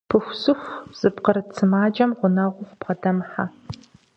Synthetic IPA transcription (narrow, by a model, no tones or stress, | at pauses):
pʰɨxʷsɨxʷz̥ɨpqəɾɨt͡sʰɨmaːd͡ʒɐmʁʷʊnɐʁʷʊxʷpqɐdɐmħa